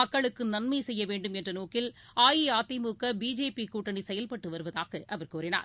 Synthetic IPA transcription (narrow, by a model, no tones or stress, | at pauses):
ɐkːɐɭɯkːɯnɐnmɐɪsɛjːɐʋeːɳɖɯmɛndrɐnoːkɪlaːjiaːt̪ːɪmuːkɐbiːd͡ʒeːpikuːʈːɐɳisɛjɐlpɐʈːɯʋɐɾɯʋɐðaːɣɐʔɐʋɐɾkuːɾɪna̰ːɾ